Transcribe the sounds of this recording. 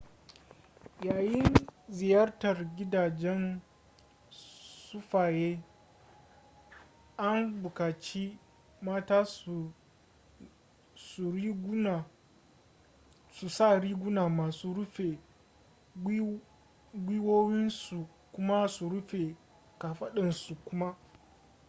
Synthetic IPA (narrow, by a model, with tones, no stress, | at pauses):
jaː˨jɪ˦nzɪ˨jɐ˦rtɐ˨rɡʲɪ˦daː˨d͡ʒɛ˦n | sʊ˦ɸaː˨jeː˦ | ʔa˦mbʊ˨kaː˨t͡ʃiː˦ | maː˦taː˦˨ | su˨ɾiː˦ɡna˨ | su˨sa˦˨ɾiː˦ɡʷʊ˦naː˨maː˨suː˦ɽʊ˦ɸe˨ | ɡʷiː˦woː˦wɪ˦nsu˨ | kʷʊ˦ma˦su˨ɽʊ˦ɸe˨ | kaː˨ɸɐ˦ɗɪ˨nsu˨kʷʊ˦ma˦